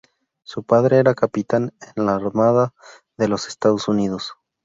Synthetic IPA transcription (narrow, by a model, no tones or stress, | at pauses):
supaðɾe̞eɾakapit̪anenlaːɾmaða | ðe̞lo̞se̞̥st̪aðo̞suniðo̞s